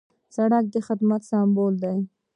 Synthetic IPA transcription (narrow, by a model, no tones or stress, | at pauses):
saɽak̚d̪əxɪd̪mat̪sɑmbold̪aj